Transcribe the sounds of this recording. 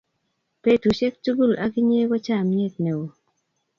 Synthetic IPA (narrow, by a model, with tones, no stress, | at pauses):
pe˨tu˨ʃe˦k̚tu˦ɡu˦˨la˨kɪ˦ɲe˦ɡɔ˦t͡ʃa˦˨mɲe˦˨t̚ne˨wo˨